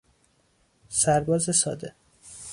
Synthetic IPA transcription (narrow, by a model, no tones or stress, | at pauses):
sæɾbɒːzesɒ̰ːd̪e